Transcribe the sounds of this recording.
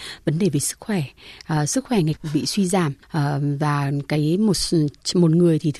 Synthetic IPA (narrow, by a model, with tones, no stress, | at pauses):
və˨˦nɗe˧˨˩ve˨˩sɨ˦˥k̚xwɛ˧˩ʔsɨ˦˥k̚xwɛ˧˩ŋa˨˩jk̟̚ɓḭ˧˨swi˧zaː˧˩mʔəː˨˩vaː˨˩kaː˨˦jmo˨˩t̚mo˨˩t̚ŋɨ˨˩əjt̪ʰi˨˩t̪